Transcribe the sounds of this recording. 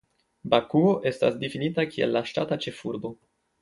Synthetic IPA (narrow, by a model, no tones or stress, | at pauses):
bakuoʔe̞sta̰sdifinitakʰie̞̰lːaʃtatat͡ʃe̞fuɾbo̞